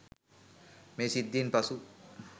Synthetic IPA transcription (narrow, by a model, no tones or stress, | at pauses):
mesid̪ːinpɐsu